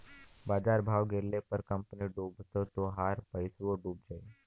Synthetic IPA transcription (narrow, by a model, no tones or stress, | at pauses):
baːd͡ʒaːɾbʱaːʋɡeɾlepəɾkəmpniɖũːbʱt̪ot̪oɦaːɾpəjsuoɖuːb̚d͡ʒaːi